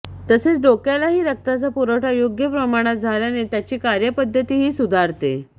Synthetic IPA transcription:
t̪əset͡sɖokjalaɦiːɾək̚t̪at͡sapuɾəʈʰajoɡjəpɾəmaɽ̃at̪̚d͡zʱaljanet̪jat͡ɕiːkaɾjəpəd̪ʱːət̪iːɦiːsud̪ʱaɾt̪ḛ

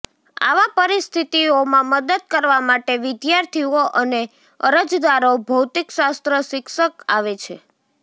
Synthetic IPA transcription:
a̰ʋapəɾist̪ʰit̪iomãməd̪əd̪̚kəɾʋamaʈeʋɪd̪jaɾt̪ʰioʔəne | əɾəd͡ʒd̪aɾobʱəwt̪ikʃast̪ɾəʃɪkʃəkaʋet͡ʃʰe

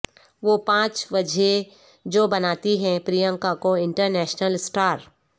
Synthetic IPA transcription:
ʋopãːt͡ʃbɐd͡ʒʱe | d͡ʒoːbɐnaːt̪iɦɛ̃pɾijə̃ŋkakoɪ̃ɳʈəɾnɛːʃnəlsʈaːɾ

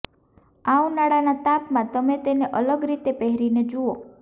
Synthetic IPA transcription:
aũnaɽanat̪apmãt̪əmet̪eneʔələɡɾit̪epɛɦɾined͡ʒuo

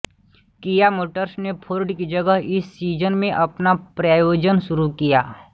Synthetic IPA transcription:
kijamoːʈəɾsnepʰoːɾɖkid͡ʒəɡəɦɪsːiːd͡ʒənmẽʔɐpnapɾaːjoːd͡ʒənʃʊɾukijaː

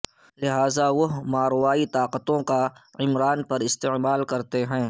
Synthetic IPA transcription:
lɪɦaːzaʋɐɦmaːɾwaːit̪aːqət̪õkaɪmɾaːnpɐɾɪst̪emaːlkɐɾt̪eɦɛ̃ː

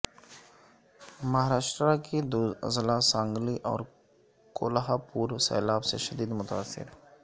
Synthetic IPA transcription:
mɐɦaɾaːʃʈ̪ɾakid̪uə̰zlasãːŋɡliʔɔ̰ːɾ | koːlɦapuːɾsɛ̰ːlaːbsḛʃɐd̪iːd̪mʊt̪aːsːɪ̰ɾ

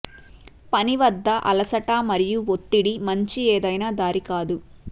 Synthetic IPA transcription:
pɐniʋɐd̪ːɐʔɐ̰lɐsɐʈaːmɐɾijuʋot̪ːiɽimɐɲt͡ʃieːd̪ɐjnaːd̪aːɾikaːd̪u

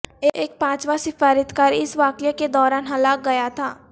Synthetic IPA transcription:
eʔeːk̚pãːt͡ʃʋasɪfaːɾɪt̪kaːɾiɪsʋaːkəjaked̪ɔːɾaːnɦɐlaːk̚ɡɐjat̪ʰaː

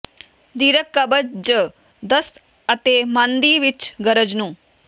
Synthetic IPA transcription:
d̪iɾəkːəbəd͡ʒd͡ʒə | d̪əs | ət̪emãnd̪iʋit͡ʃɡəɾəd͡ʒnũ

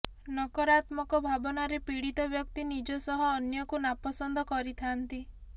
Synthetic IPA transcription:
nɔkɔɾat̪mɔkɔbʱabɔnaɾepiɽit̪ɔbjɔkt̪inid͡ʒɔsɔɦɔːnjɔkunapɔsɔnd̪ʱɔkɔɾit̪ʰant̪i

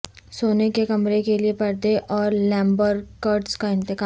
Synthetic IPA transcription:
soːnekekɐmɾekeliepɐɾd̪eʔɔːɾlɛ̃ːmbəɾkəɾʈskaɪ̃nt̪ɪkaː

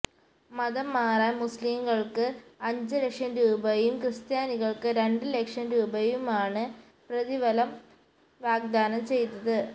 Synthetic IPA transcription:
mɐðɐmaːrɐmusliːmɣɐɭkɨɐɲd͡ʑɨlekʂɐmɾuːbɐjumkrɨst̪jaːniɣɐɭkɨɾe̞ɳɖɨlekʂɐnɾuːbɐjumaːɳɨ | prɐðiʋɐlɐm | ʋaːɡ̚d̪aːnɐmt͡ɕe̞jt̪ːɐðɨ

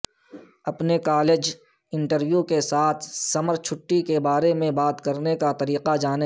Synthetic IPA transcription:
ɐpnekaːleːd͡ʒ | ɪ̃ɳʈəɾʋjukesaːt̪ʰsɐməɾt͡ʃʰʊʈːikebaːɾemẽbaːt̪kɐɾnekat̪ɐɾiːqad͡ʒaːne

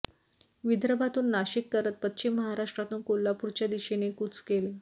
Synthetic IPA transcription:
ʋid̪ɾəbʱat̪uːnːaɕikːəɾət̪̚pətt͡ɕimːəɦaɾaʂʈɾat̪uːnkolːapuɾt͡ɕjad̪iɕenekut͡skele

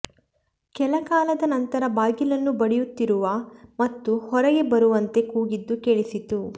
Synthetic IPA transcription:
kɛlɐkaːlɐd̪ɐnɐnt̪ɐɾɐbaːɡilɐnːubɐɽijut̪ːiɾuʋɐmɐt̪ːuhɔɾɐɡe̞bɐɾuʋɐnt̪e̞kuːɡid̪ːukeɭisit̪u

